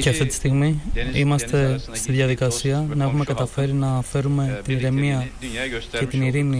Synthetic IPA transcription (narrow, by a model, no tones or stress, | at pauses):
ceɐft̪it̪i̥st̪iɣmiimɐst̪e̞st̪iðʝɐðikɐsiɐnɐe̞xume̞kɐt̪ɐfe̞ɾinɐfe̞ɾume̞t̪iniɾe̞miɐ | ce̞t̪iniɾini